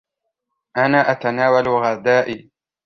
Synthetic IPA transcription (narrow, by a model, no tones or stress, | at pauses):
ʔanaːʔat̪anaːwalwaɣad̪aːʔiː